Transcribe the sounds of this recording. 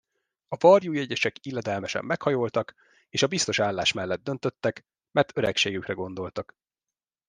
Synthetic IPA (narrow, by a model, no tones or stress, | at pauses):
ɒvɒrjuːjɛɟɛʃɛkilːɛd̪ɛlmɛʃɛ̰mːɛkhɒjoːlt̪ɒk | eːʃɒbist̪o̞ʃaːlːaːʃmɛlːɛd̪̚d̪ønt̪ø̞t̪ːɛk | mɛrt̪øɾɛkʃeːɡykrɛɡo̞nd̪o̞lt̪ɒk